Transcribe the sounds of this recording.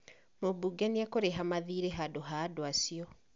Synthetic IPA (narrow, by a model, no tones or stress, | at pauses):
mobuɡɛniakoɾeɦamaðiːɾeɦadoɦaːdoasiɔ